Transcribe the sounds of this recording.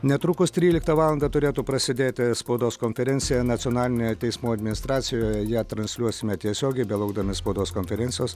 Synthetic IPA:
nʲɛt̪ɾuːkʊst̪ʲɾʲiːlʲɪk̚t̪ɐʋɑːlˠɐnd̪ɐt̪ʊɾʲeːt̪uːpɾɐsʲɪd̪ʲeːt̪ʲɪspɐʊd̪oːskonʲfʲɛɾʲɛnʲsʲɪjɛnɐt̪sʲɪoːnɑːlʲɪnʲejt̪ʲɛɪsmuːɐd̪ʲmʲɪnʲɪst̪ɾɑːt̪sʲɪjoːjɛjæːt̪ɾɐnʲsʲlʲuɔsʲɪmʲɛt̪ʲiɛsʲoːɡʲɛɪbʲɛlˠɐʊɡ̚d̪ɐmʲɪspɐʊd̪oːskonʲfʲɛɾʲɛnʲtsʲɪjoːs

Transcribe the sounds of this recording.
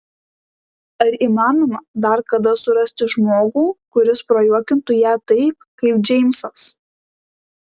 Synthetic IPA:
ɐɾiːmɑːnoːmɐd̪ɐɾkɐd̪ɐsʊɾɐsʲt̪ʲɪʒmoːɡuːkʊɾʲɪspɾoːjuɔkʲɪnt̪ʊjæːt̪ɐɪp̚kɐɪpd͡ʒʲɛɪmʲsɐs

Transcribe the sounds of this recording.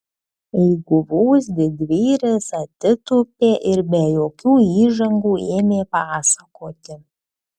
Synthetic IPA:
ɛɪɡʊʋuːsd̪ʲɪd̪ʲʋʲiːɾʲɛsɐt̪ʲɪt̪upʲeːʔɪɾbʲɛjoːkʲuːiːʒɐŋɡuːeːmʲeːpɑːsɐkʰoːt̪ʲɪ

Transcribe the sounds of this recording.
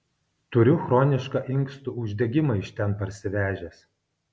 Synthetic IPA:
t̪ʊɾʲʊxɾɔːnʲɪʃkɑʔɪŋˑkst̪ʊʊʒʲd̪ʲɛɡʲɪmɐɪʃʲt̪ʲɛnpɐɾʲsʲɪʋʲæːʒʲɛːs

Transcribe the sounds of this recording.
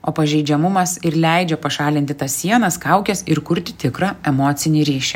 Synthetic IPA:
oːpɐʒʲɛɪd͡ʒʲɛmʊmɐsɪɾlʲɛɪd͡ʒʲɛpɐʃɑːlʲɪnt̪ʲɪt̪ɐssʲiɛnɐskɐʊkʲɛsɪɾkʊɾʲt̪ʲɪ̥t̪ʲɪkɾɑːɛmoːt̪sʲɪnʲɪɾʲiːʃʲɛ

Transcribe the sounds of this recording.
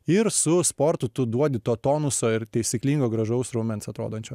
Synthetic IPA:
ɪɾsʊspoːɾt̪ʊt̪ʊd̪uɔd̪ʲɪt̪oːt̪oːnʊsoɪɾt̪ʲɛɪsʲɪklʲiːŋɡoːɡɾɐʒɐʊsɾoːmʲɛnsɐt̪ɾo̰ːd̪oːnʲt͡ʃʲoː

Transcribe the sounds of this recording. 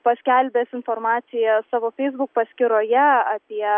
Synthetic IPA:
pɐsʲkʲælʲbʲeːsɪnfoːɾmɑːsʲɪjɛsɑːʋoːfʲɛɪzbʊk̚pɐsʲkʲɪɾoːjɛɐpʲiɛ

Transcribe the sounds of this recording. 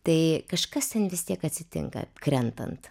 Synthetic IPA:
t̪ɐɪkɐʃkɐst̪ʲɛnʋʲɪst̪ʲiɛkɐt̪ʲsʲɪt̪ʲɪ̰ŋkɐ̰kɾʲɛnt̪ɐ̰nt̪

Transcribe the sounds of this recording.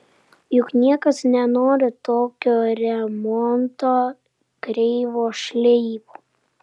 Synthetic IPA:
jʊknʲiɛkɐsnʲɛnoːɾʲɪt̪oːkʲoːɾʲɛmɔnt̪oː | kɾʲɛɪʋoːʃʲlʲɛɪboː

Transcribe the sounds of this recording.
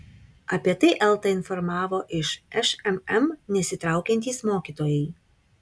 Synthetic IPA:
ɐpʲiɛt̪ɐɪʔɛlˠt̪ɐɪnfɔɾmɑːʋoːʔɪʃɛʃɛmɛmnʲɛsʲɪt̪ɾɑˑʊkʲɛnʲt̪ʲiːsmoːkʲiːt̪oːjɛɪ

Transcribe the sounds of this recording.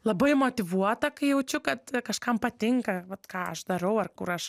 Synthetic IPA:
lˠɐbɐɪmoːt̪ʲɪʋuɔt̪ɐkɐɪjɛʊt͡ʃʲʊkɐt̪kɐʃkɐmpɐt̪ʲɪŋkɐʋɐt̪kɑːɐʃd̪ɐɾɐʊɐrkʊɾɐʃ

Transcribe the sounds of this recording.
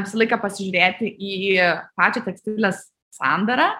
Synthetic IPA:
ʋʲɪsɐlˠɐɪkɐpɐsʲɪʒʲʊːɾʲeːt̪ʲɪʔiːpɑːt͡ʃʲot̪ʲɛksʲt̪ʲɪlʲɛsː | ɑˑnd̪ɐɾɐː

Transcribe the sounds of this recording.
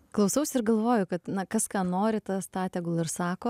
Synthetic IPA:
klˠɐʊsɐʊsʲɪɾɡɐlˠʋoːjʊkɐt̪nɐkɐskɑːnoːɾʲɪt̪ɐst̪ɑːt̪ʲɛɡʊlˠɪɾsɑːkoː

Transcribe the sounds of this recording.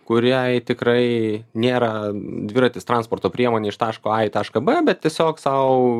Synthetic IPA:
kʊɾʲɛɪt̪ʲɪkɾɐɪnʲeːɾɐd̪ʲʋʲɪɾɐt̪ʲɪːst̪ɾɐnspoːrt̪oːpʲɾʲiɛmoːnʲeːɪʃt̪ɑːʃkoːɑɪt̪ɑːʃkɐbɛbʲɛt̪̚t̪ʲiɛsʲoːksɐʊ

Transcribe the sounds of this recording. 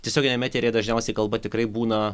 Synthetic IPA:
tʲiɛsʲoːɡʲɪnʲɛmʲæːt̪ʲeːɾʲeːjɛd̪ɐʒʲnʲɛʊsʲɛɪkɐlˠbɐt̪ʲɪkrɐɪbuːnɐ

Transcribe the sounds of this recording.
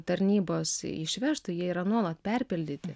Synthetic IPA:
t̪ɐɾʲnʲiːboːsɪ̰ʃʲʋʲɛʃt̪ʊjiɛiːɾɐnuɔlˠɐt̪pʲɛɾʲpʲɪlʲd̪ʲɪt̪ʲɪ

